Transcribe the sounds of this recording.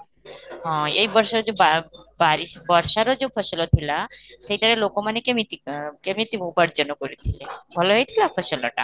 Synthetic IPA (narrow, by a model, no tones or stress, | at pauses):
ɦɔ̃ejbɔɾʃaɾod͡ʑebabaɾiʃbɔɾʃaɾɔd͡ʑopʰɔʃelot̪ʰilaʃejʈaɽelokomanekemit̪ikemit̪imubaɾd͡ʑɔnokoɾit̪ʰilebʱɔloɦejt̪ʰilapʰɔʃelɔ̰ʈa̰